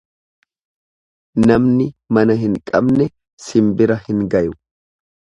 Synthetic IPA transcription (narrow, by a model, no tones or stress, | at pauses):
nɐmnɪmɐnɐɦɪŋkʼɐbnɛ | sɪmbɪɾɐhɪŋɡɐjʊ